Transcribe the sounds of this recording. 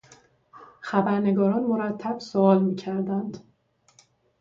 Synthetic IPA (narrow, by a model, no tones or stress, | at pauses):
xæbæɾne̞ɡɒːɾɒːnmoɾæt̪ʰːæb̥soɒːlmiːcʰæɾd̪ænd̪